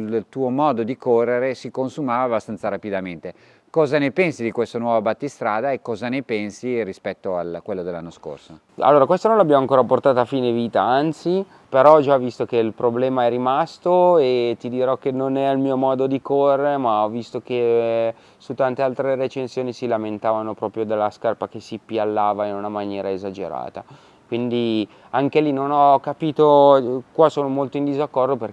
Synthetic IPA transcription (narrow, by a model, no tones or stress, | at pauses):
lt̪uːomɔːd̪od̪ikorːeɾesikonsumaːvaːbːast̪ansaɾapid̪ament̪e | kɔːzanepɛnsid̪ikwest̪anwɔvabat̪ːist̪ɾaːd̪aekːɔzanepɛnsiɾispɛt̪ːoa̰lkwelːod̪elːanːosko̰rso | a̰lːoːɾakwest̪onõnloabjamoaŋkoːɾaport̪aːt̪oafiːneviːt̪aant̪si | peɾɔd͡ʒavist̪ok̟eilpɾoblɛːmaɛrimast̪oet̪id̪iɾɔkːenonɛailmiːomɔːd̪od̪ikorːeɾemaɔvist̪oke | sut̪ːant̪ealt̪ɾeɾet͡ʃensjoːnisilament̪aːvanopɾɔːpɾjod̪elːaskarpak̟esipjalːaːvainunamanjɛːɾaezad͡ʒḛɾa̰ːt̪a | kwind̪i | aŋkelinonɔkːapiːt̪okwasoːnomolt̪oind̪izakːɔrd̪oper